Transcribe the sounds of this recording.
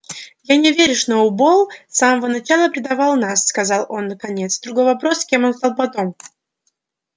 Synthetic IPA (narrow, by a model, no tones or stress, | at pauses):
janʲɪvʲeɾʲʊʂnoʊbolˠsaməvənɐt͡ɕalˠəpɾʲɪd̪ɐvalˠnasːkɐzalˠo̞nːəkɐnʲet̪sd̪ɾʊɡo̞jvɐpɾo̞skʲe̞mo̞nst̪alˠpɐt̪o̞m